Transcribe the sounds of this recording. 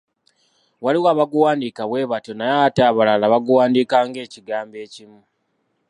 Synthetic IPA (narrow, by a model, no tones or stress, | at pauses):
waliwaːβaɡuwaːndiːkaβwe̞ːβato̞najataːβalalaβaɡuwaːndiːkaːŋɡe̞ːciɡaːmbe̞ːcimu